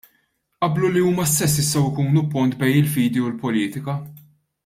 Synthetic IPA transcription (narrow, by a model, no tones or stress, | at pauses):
ʔɐbluliuːmɐst̪ɛs̬ːɪst̪ɐwɪkuːnupːʊnt̪bɛjnɪlfiːd̪iʊlpɔliːt̪ɪkɐ